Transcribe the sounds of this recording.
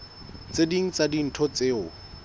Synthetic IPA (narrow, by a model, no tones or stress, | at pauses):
t͡sediŋ̩t͡sadin̩tʰɔt͡seʊ